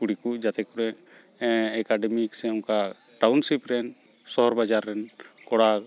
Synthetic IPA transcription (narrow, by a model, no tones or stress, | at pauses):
kuɽikud͡ʒat̪ɛkuɾɛ | ɛkaɖɛmiksɛɔmka | ʈawnsipɾɛn | sɔɦɔɾbad͡ʒaɾːɛnkɔɽa